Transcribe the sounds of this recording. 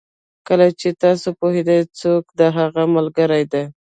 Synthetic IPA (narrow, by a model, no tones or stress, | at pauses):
kəlat͡ʃet̪ɑsopoɦed̪ajt͡sokd̪əɦaɣamalɡəɾajd̪aj